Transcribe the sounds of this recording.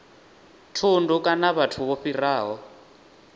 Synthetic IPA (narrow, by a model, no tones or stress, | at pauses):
tʰundukʼanaβatʰuβoɸiraːɦɔ